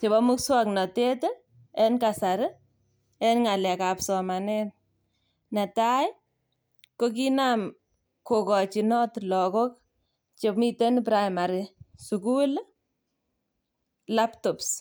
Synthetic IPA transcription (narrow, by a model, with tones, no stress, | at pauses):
te˨bɔ˦mʊ˦kswaknɔ˨te˦te | ɛ˦nkasa˨ɾ | ɛ˦nŋa˨lɛ˨ka˨psɔ˨ma˨nɛn | na˨taj | ko˦k̬inam | ko˨kɔ˨t͡ʃi˨nɔ˦tlɔ˨kɔ˦k̚ | t͡ʃe˨pmi˦te˦np̬ɾajma˨ɾisuku˦l | laptɔps